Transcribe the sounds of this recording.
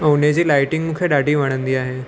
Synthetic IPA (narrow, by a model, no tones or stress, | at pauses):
owned͡ʑiːlajʈiŋɡmukʰeɖaʈiːʋaɽ̃ənd̪iːaɦe